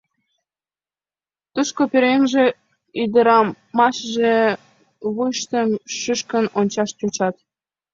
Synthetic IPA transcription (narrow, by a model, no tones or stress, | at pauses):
t̪uʃkopeɾenʒĕ | yd̪əɾɑ | mɑʃʒe | βujʃt̪əmʃyʃkənonʲt͡ɕɑʃt͡ɕot͡ɕɑt̪